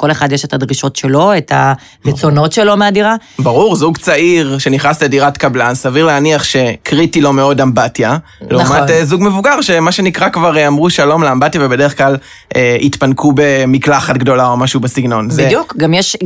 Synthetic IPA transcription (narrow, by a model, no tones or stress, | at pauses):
ko̞leχadjeʃe̞tadʁiʃo̞tʃe̞lo̞etʰa | ʁet͡so̞no̞tʃe̞lo̞meadiʁabaʁuʁzuɡt͡saiʁʃe̞niχnaslediʁatkablasaviʁleaniaχʃe̞kʁitilo̞me̞o̞dambatja | leumatzuɡmevuɡaʁʃe̞maʃe̞nikʁakvaʁeamʁuʃalo̞mleambatjavebedeʁeχklal | ʔeitpankʰube̞miklaχatɡdo̞lao̞maʃubesiɡno̞nzejukɡamjeʃ